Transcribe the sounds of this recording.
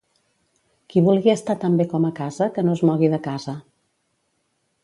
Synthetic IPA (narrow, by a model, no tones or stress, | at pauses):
kiβ̞ulˠɣiəst̪at̪əmbekɔməkazəkənoəzmɔɣiðəkazə